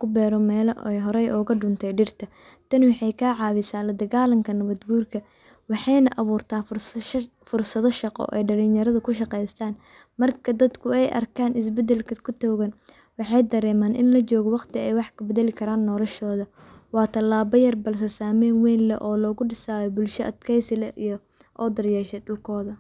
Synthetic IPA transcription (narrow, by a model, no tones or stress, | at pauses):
kʰʊbɛːɾɔmɛːlɛjɦɔɾɛjʔɔːɣɐɖʊnt̪ʰɛjɖɪrt̪ʰɐ | t̪ʰɐnwɑħɑjkʰaːʕɑːβɪsaːlɐd̪ɐɣaːlɐŋkʰɐnɐβɐd̪ɡuːrkʰɐ | wɑħɑjnɐʔɐβuːrt̪ʰaː | fʊrsɐðɔʃɑqɔ̰ʔɛ̰jɖɐlɪnjɐɾɐðɐkʰʊʃɑqɛjst̪ʰaːn | mɐrkʰɐd̪ɐd̪kʰʊɛjʔɐ̰rkʰaːnʔɪs̬bɛd̪ɛlkʰɐkʰʊt̪ʰɔːɣɐn | wɑħɑjd̪ɐɾɛːmaːnʔɪnlɐt͡ʃɔːɣɔwɑqt̪ʰɪɛjwɑħkʰɐbɐðɛlɪkʰɐɾaːnːɔlɔʃɔːðɐ | wɑːt̪ʰɐlːaːbɐjɐrbɐls̬ɛsaːmɛːnwɛːnlɐ̰ʔɔːlɔːɣʊɖɪsaːjɔbʊlʃɔʔɐd̪kʰɛjsɪlɐʔijɔ | ʔɔːd̪ɐrjɛːʃɛɖʊlkʰɔːðɐ